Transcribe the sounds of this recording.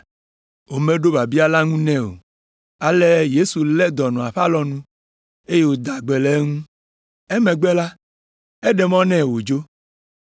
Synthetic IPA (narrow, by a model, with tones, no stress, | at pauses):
wo˨mẽ˦ɖo˦ba˨bi˦a˨la˦ŋũ˦nɛ̃˦o̰˨ | a˨le˦je˦su˨lɛ˦d̪ɔ˨nɔ̃˨a˨ɸa˦lɔ˦nũ˦ | e˦je˦wo˨d̪a˨ɡ͡be˨lɛ˦ŋũ˦ | e˦mɛ̃˨ɡ͡be˦la˦ | e˦ɖɛ˨mɔ̃˦nɛ̃˦wo˨d͡ʒo˦